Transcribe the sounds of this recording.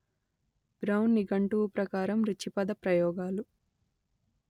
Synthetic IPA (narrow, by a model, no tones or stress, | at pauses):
b̥ɾɐwnːiɡɐɳʈuːpɾɐkaːɾɐmɾut͡ʃʰːipɐd̪ɐpɾɐjɔːɡaːlu